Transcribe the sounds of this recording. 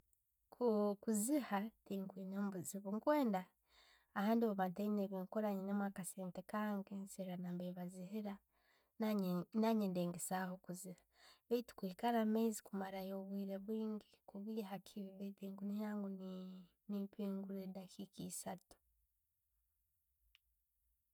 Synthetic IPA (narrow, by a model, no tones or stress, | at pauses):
kukuzihatiːŋkwiːnoːmbuziβuŋkweːndaː | haːndoβoβataineβiŋkoɾaɲinemwakaseːntekaːŋɡenseɾanambeβazihiɾa | naɲendeːŋɡesahokuziɾḁ | βeiti̥kwekaɾamezikumaɾajoβwiːɾeβwiːŋɡikuβiːɦakʰiβiβetiːŋɡunijaŋɡuni | nipʰiːŋɡuɾedakʰikiːsatu̥